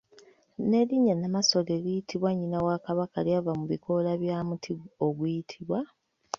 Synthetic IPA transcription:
ne̞liɲanamaso̞leɡijitʰiβwaɲːinawakaβakaljavamuβikʰo̞laβjaːmutʰiɡoɡwujitʰiβwa

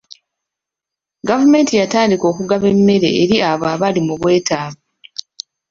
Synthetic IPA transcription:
ɡavume̞ːntijataːndiko̞ːkuɡaβe̞mːe̞ɾe̞̰ːɾiaβaːβalimuβwe̞ːtaːβa

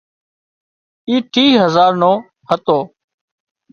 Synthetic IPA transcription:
iːʈʰiːɦəzaːɾnõː | hət̪oː

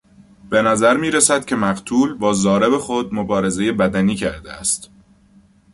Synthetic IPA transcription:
b̥e̞næzæɾmiːɾæsæd̪̥cʰʲe̞mæɢt̪ʰuːlbɒːzɒːɾebexo̞d̪̚mobɒːɾe̞ze̞je̞bæd̪æniːcʰæɾd̪ḛæst̪

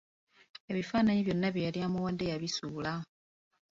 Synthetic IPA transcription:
e̞βifaːnaɲiβjo̞nːaβjijaliamuwand̪ejaβisuːla

